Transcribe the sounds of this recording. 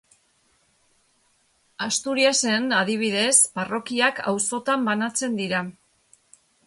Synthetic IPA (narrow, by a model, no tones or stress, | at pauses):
ast̪uɾiase̞nað̞iβ̞iðe̞sparo̞kiaka̰wso̞t̪ambanat͡se̞nd̪iɾa